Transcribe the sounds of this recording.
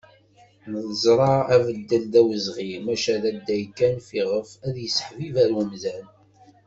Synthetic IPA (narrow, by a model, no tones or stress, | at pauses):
nəðəzˤɾˤɑævəd̪ːəld̪æwəzʁimæʃæðæd̪ːæjkːænfiʁəfæðjəsːə̥ħvivæɾwəmzæn